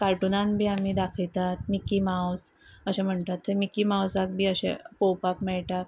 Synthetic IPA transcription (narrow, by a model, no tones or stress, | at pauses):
kaɾʈunãnbʱiːamiːd̪akʰəɭt̪at̪mikimawsəɕɛ̃m̤əɳt̪at̪ːemikiːmawsak̚bʱiːəɕɛ̰̃powpapmɛɭʈ̪a